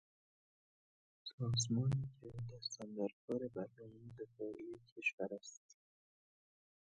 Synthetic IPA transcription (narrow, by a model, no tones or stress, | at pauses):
sɔːzmɔnekʰed̪asand̪aɾkʰɔːɾebaɾnɔmd̪ɪfɔikʰeʃwaɾast̪